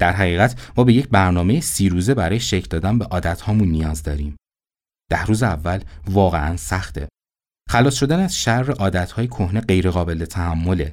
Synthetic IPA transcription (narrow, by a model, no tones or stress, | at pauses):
d̪̥æɾɦæɣiːɣæt̪ʰmɒːbeje̞cʰbæɾnɒːme̞jesiːɾuːze̞bæɾɒːjeʃecʰd̪ɒːd̪ænbeʔɒːd̪æt̪hɒːmunːijɒːzd̪ɒːɾiːm | d̪̥æhɾuːzeævːælvɒːɣe̞ʔænsæχt̪ʰe̞̰ | xælɒːsʃo̞d̪ænæz̥ʃærːe̞ʔɒːd̪æt̪hɒːjekʰo̞hne̞ɢe̞jɾe̞ɣɒːbe̞let̪ʰæhæmːo̞le